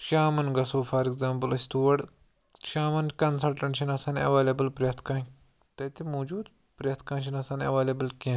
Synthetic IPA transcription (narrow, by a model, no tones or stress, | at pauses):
ʃaːmɐnɡɐsoːfɐɾikzaːmpɨlɐsʲt̪uːʋɐɖ | ʃaːmɐnkɐnsɐlʈɐ̃ɳʈʃɐnɐsɐːnɐ̰ʋeːlebɐlpɾʲjɐt̪ʰkɐ̃n | t̪ɐt̪imoːd͡ʒuːd̪ | pɾʲjɐt̪ʰkɐ̃ːnʃinɐsɐːnɐ̰ʋaːlebɐlkʲẽ